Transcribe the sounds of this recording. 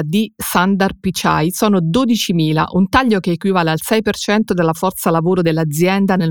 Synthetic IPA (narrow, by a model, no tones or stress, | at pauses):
d̪isand̪arpit͡ʃa̰jsɔːnod̪od̪it͡ʃimiːla̰ʔunt̪aʎːokeːkwivaːlealsɛjpert͡ʃɛnt̪od̪elːafɔrt̪salavoːɾod̪elːad̪zjɛnd̪ane